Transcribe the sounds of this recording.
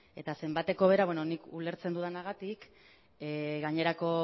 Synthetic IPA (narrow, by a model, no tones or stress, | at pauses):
e̞t̪ase̞mbat̪e̞ko̞β̞e̞ɾaβweno̞nikule̞ɾt͡send̪uðanaɣat̪ik | ɣaɲe̞ɾako̞